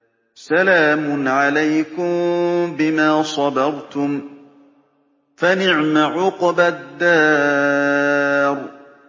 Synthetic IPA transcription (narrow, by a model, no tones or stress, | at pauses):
salaːmʊnʕalajkʊmbɪmaːsˤɑdɑɾˤt̪ʊm | fanɪʕmaʕʊqbad̪ːaː | ɾ